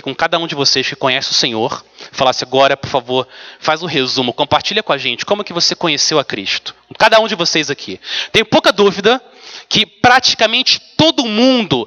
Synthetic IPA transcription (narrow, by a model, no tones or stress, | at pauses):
kõkad̪ɐũd͡ʒɪvoseʃkɪ̥kõɲɛsɪʊsẽɲoɾfalasɪaɡɔɾɐpoɾfavoɾfazʊ̃ɦezũmʊkõpaɾt͡ʃiʎɐkõaʒẽnt͡ʃɪ̥kõmʊkɪvosekõɲesewɐkɾḭʃt̪ʊ̥kad̪ɐũd͡ʒɪvosejzakʰḭt̪ẽj̃powkɐd̪uvid̪ɐ | kɪpɾat͡ʃi̥kamẽnt͡ʃɪ̥t̪od̪ʊːmũnd̪ʊ